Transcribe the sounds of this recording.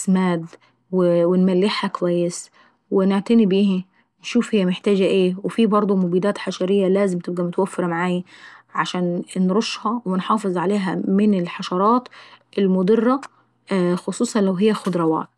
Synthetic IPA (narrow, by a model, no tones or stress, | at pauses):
smaːd̪ | wɪwɪnmælːɪħhækwæjːɪs | wɪnɪʕt̪anibiːhi | nʃuːfhɪjːæmɪħt̪aːd͡ʒæʔeːwɪfibɑɾˤd̪ˤumʊbiːd̪aːt̪ħaʃɑɾɪjːælæːzɪmt̪ɪb̚ɡæmʊt̪wafːɑɾˤmaʕaːjæʕaʃaːnnɾʊʃːhɑwɪnħɑːfɨzˤʕaleːɦæmɪnɪlħɑʃɑɾˤɑːt̪ʔɪlmʊd̪ˤɨrːɑ | xʊsˤuːsˤɑnlawɦɪjːæxʊd̪ɾˤɑwɑ̰ːt̪̚